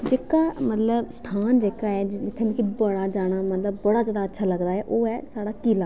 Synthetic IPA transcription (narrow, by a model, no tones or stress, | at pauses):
d͡ʒeːkaːmət̪ləbst̪ʰaːnd͡ʒeːkaːɛːd͡ʒɪt̪ʰːeːmẽkibəɽaːd͡ʒaːɽ̃aːmət̪ləbːəɽaːzjaːd̪aːtːʃʰaːləɡd̪aːɦɛːʔoːɛːsaːɽaːkiːlaː